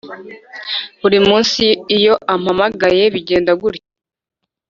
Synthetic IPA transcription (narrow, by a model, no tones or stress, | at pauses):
βuɾimuːnsiːjo̞ʔamhamaɡaje̞βiɟe̞ːndaɡuɾje